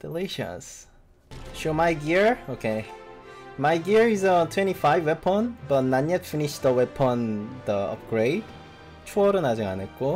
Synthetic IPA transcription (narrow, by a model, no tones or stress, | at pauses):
d̥əliʃə̰s | ʃomaɪɡiɹokʰe | maɪɡiɹɪzətʰw̥ɛ̃ñifaɪvwɛpʰɔ̃nb̥ʌt̚ⁿnanjɛtfɪ̃nɪʃðəwɛpʰɔ̃nðəʌ̰p̚ɡ̥ɹeɪd̥̚ | t͡ʃʰwɔɾənad͡ʒəɡanɛko